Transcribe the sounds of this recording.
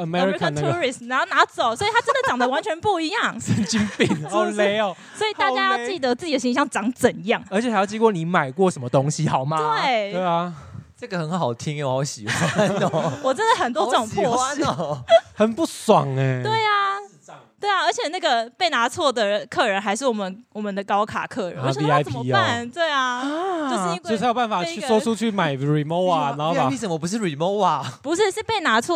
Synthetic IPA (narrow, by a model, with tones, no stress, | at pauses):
ə˨mɛɹi˨˥kə˧˨nʰu˥ɹi˨˩st̪ni˨˥na˧˥t͡so˨˩ʊswɔ˧˥i˨˩t̪ʰa˥ʈ͡ʂə˥nd̪ə˨t͡ɕjɑ˨˩ŋd̪ə˦wa˧˥nt͡ɕʰɥɛ˧˥npu˥˩i˧˥jɑ˥˩ŋə˥˩nt͡ɕi˥npi˧ŋo˧˥le˦˨˧ | swɔ˧˥i˨˩a˥˩˧ja˥˦jɑ˥˧ʊt͡ɕi˥˩˨d̪ə˩t͡sɹ̩˥˩t͡ɕi˨d̪ə˨ɕi˧˥ŋɕjɑ˥˩ŋʈ͡ʂɑ˧˥ŋt͡sə˨˩njɑ˥˩ŋə˧˥t͡ɕʰhjɑ˥˧ʊt͡ɕi˥ŋkwɔ˥˩ni˨˥˦ma˨˩ɪkwɔ˥˨ʂə˧˦nmə˧t̪o˦˥ŋɕi˨hɑ˨˩ʊma˦t̪we˥˩ɪwe˥˩ɪa˨ʈ͡ʂə˥˩ɡə˨hə˧˦nxɑ˨˩ʊt̪ʰi˦˥ŋ˨ho˧˩ɕi˨˩xwwɔ˨˩ʈ͡ʂə˦˥nd̪ə˨˩xə˨˩nt̪wɔ˥ʈ͡ʂɤ˥˩ʈ͡ʂʊ˨˩ŋpʰɔ˥˧ʂhə˨npu˥˩swɑ˨˩ŋe˩t̪we˥˩ɪa˩˨ | t̪we˥˩ɪa˩ə˞˧˥t͡ɕʰjɛ˨˩na˥˩ɡə˩pe˥˩ɪna˧˥t͡sʰwɔ˥˩d̪ə˨kʰɤ˥˩ɻə˧˦nxa˧˥ɪʂɻ̩˥˩wɔ˨˩mə˦nwɔ˨˩mə˦nd̪ə˧kɑ˥ʊkʰa̰˨˩kʰɤ˥˩ɻə˨˦n˥˨˥a˥ɪəmi˦˥ba˥˨nt̪we˥˩ɪa˩o˥˧˥ɔ˥˨˧jo˨˩ba˥˩fa˨˩y˥˨swɔ˥ʈ͡ʂʰu˥t͡ɕʰy˥˩ma˨˩ɪɹi˨˩mo˥˧ʊa˨na˧˦ho˥˧˥i˥sə˨˦mə˦pu˧ʂ̬ɻ̩˥˩ɹi˨˩mo˥˧ʊa˨˩pu˧˥ʂɻ̩˥˧ʂɻ̩˥˧pe˥˩ɪna˧˥t͡sʰwɔ˥˨˩